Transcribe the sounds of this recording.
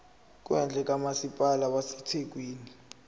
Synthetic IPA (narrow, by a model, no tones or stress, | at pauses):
k̬ʼwɛnd͡ɮʱɛk̬ʼamasipʼalaɓasɛtʰek̬ʼwiːni